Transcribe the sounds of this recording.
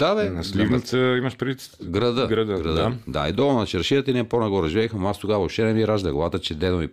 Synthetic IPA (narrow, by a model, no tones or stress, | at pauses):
d̪ad̪ɛnɐslivnit̪səimɐʃpɾʲidit̪ | ɡɾɐd̪əɡɾɐd̪əɡɾɐd̪əd̪a̰ḭd̪ɔlˠonɐt͡ʃɛɾʃiət̪əinɛponɛɡɔɾɛʒivɛxmast̪oɡavɔʃt̪ɛnɛmiɾaʒd̪ɐɡlˠat̪ət͡ʃɛd̪ɛomi